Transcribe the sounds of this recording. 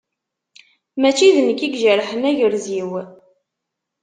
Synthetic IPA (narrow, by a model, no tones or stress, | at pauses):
mæt͡ʃːiðnəkːiɡʒəɾħənæʝəɾziw